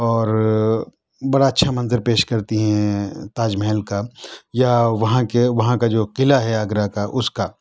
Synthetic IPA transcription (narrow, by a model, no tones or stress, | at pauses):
ɔːɾ | bɐɽaɐtːʃʰamɐ̃nzəɾpeːʃkɐɾt̪iɦɛ̃t̪aːd͡ʒmɛɦɛlkajaʋɐɦãkeʋɐɦãkad͡ʒoːqɪlaɦɛaɡɾakaʔʊska